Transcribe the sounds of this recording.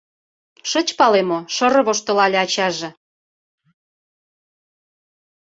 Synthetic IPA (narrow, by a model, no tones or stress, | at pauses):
ʃɤt͡ɕpɑlemoʃɤ̆ɾɤ̆βoʃt̪ŏlɑlʲeɑt͡ɕɑʒĕ